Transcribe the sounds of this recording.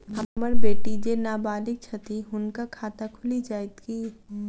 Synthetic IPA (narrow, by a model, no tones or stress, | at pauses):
hɐməɾbeːʈid͡ʒenaːbaːlɪk̚t͡ʃʰɐt̪iɦʊnkakʰaːt̪akʰʊlid͡ʒaːɪt̪kiː